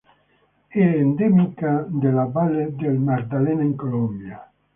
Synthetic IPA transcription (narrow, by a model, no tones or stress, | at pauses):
eend̪emikad̪elabaled̪elmaɾd̪alenaiŋkolɔmbja